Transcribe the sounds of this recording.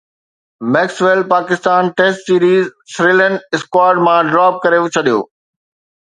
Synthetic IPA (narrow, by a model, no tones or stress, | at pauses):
mɛːksʋelpaːkɪst̪aːnʈeːsʈsiːɾiːzsɾiːlə̃nɖɪskwaːɾɖmãɖɾaːp̚kɐɾet͡ɕʰɐɗijo̰ː